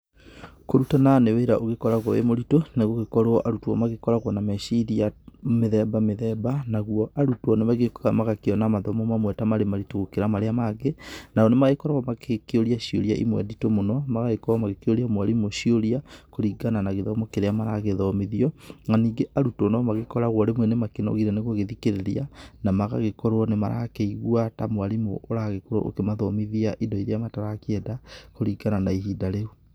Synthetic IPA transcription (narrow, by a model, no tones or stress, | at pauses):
koɾutananeweɾaʔoɣekɔɾaɣwɔḛmoɾitonaɣoɣekɔɾoɔʔaɾutuɔ̰maɣekɔɾaɣwɔnamɛʃiɾiameðɛbameðɛbanaɣwɔʔaɾutɔnemaɣekɣamaɣakeɔnamaðɔmɔmamwɛtamaɾemaɾitoɣokeɾamaɾeamaɣenaɔnemaɣekɔɾaɣɔmakʰekeoɾiaʃioɾja̰ʔḭmwɛ̰ditomonɔmaɣaɣekɔɾamaɣekeoɾiamwaɾimoʃioɾiakoɾiɡananaɣeðɔmokeɾeamaɾaɣeðɔmiðiɔŋaniːɡeʔaɾutɔnamaɣekɔɾaɣwɔɾemwɛnemakenɔ̰ɣiɾɛneɣoɣeðikeɾeɾianamaɣa̰ɣekɔɾoɔnemaɾa̰keiɣwatamoaɾimo̰ʔːɾaɣekoɾɔ̰ʔo̰kemaðɔmiðiaʔidɔiɾeamataɾakeɛdakoɾiɡananaiɦiːdaɾeu